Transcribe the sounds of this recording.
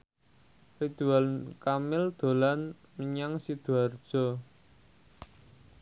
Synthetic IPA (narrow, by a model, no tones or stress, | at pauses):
rid̪̥ualnkamɪld̪̥o̤lan | məɲaŋsid̪̥uard̥ʒ̥ɔ̤